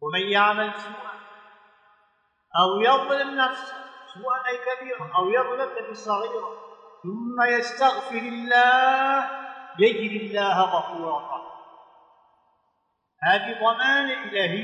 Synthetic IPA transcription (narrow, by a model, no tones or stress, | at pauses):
wamanjaʕmalsuːʔan | ʔawjɑˤɪlanːafssuːʔanalkabiːɾaʔawjɑðˤlanːafsˤːɑɣiːɾaθʊmːajast̪aɣfɪɾɪlːaːhjad͡ʒɾɪlːaːhɣɑfuːɾɑɾa | haːðiðˤɑmaːnaʔɪlaːɦɪ